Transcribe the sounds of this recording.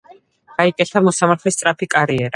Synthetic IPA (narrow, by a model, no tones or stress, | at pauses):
χaikʼɛɬt̪ʰamɔsamaɾt̪ʰlist̪sʼɾapʰikʼaɾiɛɾa